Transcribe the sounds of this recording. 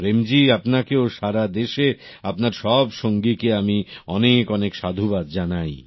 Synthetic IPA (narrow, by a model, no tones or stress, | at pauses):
pɾemd͡ʑiapnakeoʃaɾad̪eʃeapnaɾʃɔbʃoŋɡikeamiɔnekɔnekʃad̪ʱubad̪̚d͡ʑanaj